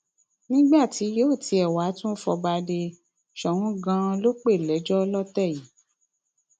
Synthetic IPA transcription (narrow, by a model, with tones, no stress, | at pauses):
nĩ˦ɡ͡ba˦˨ti˨˦jo˦˨ti˧ɛ˨wa˨˦tũ˦fɔ˧ba˧de˧ | ʃɔ˨hũ˨˦ɡã˧˦˧lo˦k͡pe˦˨lɛ˨˦d͡ʒɔ˦˧˦lɔ˦tɛ˦˨ji˨˦